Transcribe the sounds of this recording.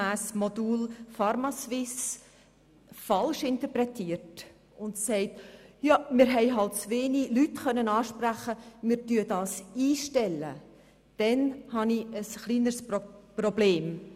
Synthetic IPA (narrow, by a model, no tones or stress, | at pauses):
æːsmod̥uːlfɑɾmɑsʋɪs | fɑlʃɪntəpɾɛtʰiːəɾt | ʊntsɛɪtjɑmɪːɾɦɛɪɦɑltt͡sveːnilytχœnənɑːʃpræχəmɪːɾtyːədɑːsiːʃtɛlːə̰ | d̥ɛnhɑniəsχliːnəɾsprɔbleːm